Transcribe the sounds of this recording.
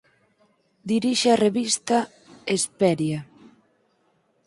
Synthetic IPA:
d̪iɾiʃeareβist̪a | espɛɾja

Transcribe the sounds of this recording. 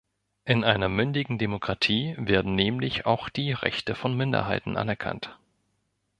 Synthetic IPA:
ʔɪnʔaɪnɐmʏndɪɡŋ̩demokʁ̥atʰiːveːɐdn̩nɛːmlɪça̰ʊxd̥iːʁɛ̰çtəfɔnmɪndɐ̰ɦaɪtn̩ʔa̰nɛɐkʰa̰nt

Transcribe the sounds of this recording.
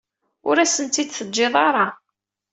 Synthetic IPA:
ʊɾæsənt̪id̪θəd͡ʒːeðˤɑɾˤɑ

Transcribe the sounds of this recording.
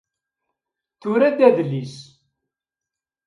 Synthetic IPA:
θʊɾæd̪æðlːis

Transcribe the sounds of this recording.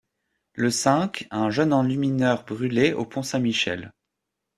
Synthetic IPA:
ləsɛ̃kɛ̃ʒənɑ̃lyminœʁbʁyleʔo̰pʰɔ̃sɛ̃miʃɛ̰l

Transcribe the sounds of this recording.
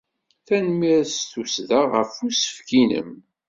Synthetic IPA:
θænmiɾsθusðaʁəfusə̥fkinə̰m

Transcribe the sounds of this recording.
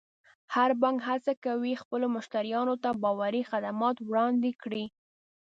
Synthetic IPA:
haɾbɑŋɡhat͡sakawixpəlomʊʃt̪aɾijɑnot̪abɑwaɾixad̪amɑt̪wɽɑnd̪ɪkɽi

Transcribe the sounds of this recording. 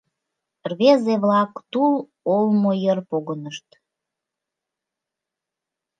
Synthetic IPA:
rβezeβlɑkt̪ul | olmojərpoɣənəʃt̪

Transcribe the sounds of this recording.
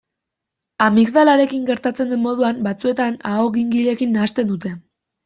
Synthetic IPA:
amikðalaɾe̞kiŋɡe̞ɾt̪at͡se̞nd̪emmo̞ð̞uambat͡sue̞t̪anaoɣiŋɡiʎe̞kinːaːst̪e̞nd̪ut̪e̞

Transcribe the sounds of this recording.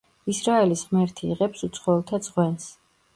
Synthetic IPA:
isɾaɛlisʁmɛɾt̪ʰiːʁɛpsut̪sʰχɔɛlˠt̪ʰad̪z̥ʼʁwɛns

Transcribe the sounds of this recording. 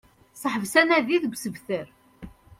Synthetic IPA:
səħəvsænæðiðɡʷsəvθəɾ

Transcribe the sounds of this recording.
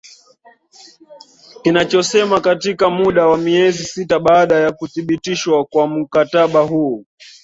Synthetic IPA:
kinat͡ʃɔsɛmakatikamuɗawamiɛzisitaɓaːɗajakuθiɓitiʃwakwam̩kataɓaɦuː

